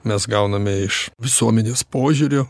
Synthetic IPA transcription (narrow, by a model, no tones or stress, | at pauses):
mʲɛsɡɐʊnɐmʲɛɪʃʋʲɪsuɔmʲɛnʲeːspoːʒʲʊɾʲo